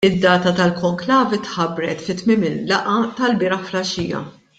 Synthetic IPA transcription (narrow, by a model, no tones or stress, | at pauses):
ɪd̪ːɐːt̪ɐt̪ɐlkɔŋklɐːvit̪ħɐbɾɛt̪fɪt̪ːmɪmɪnlɐʔɐt̪ɐlbɪːɾɐħflɐʃiːjɐ̰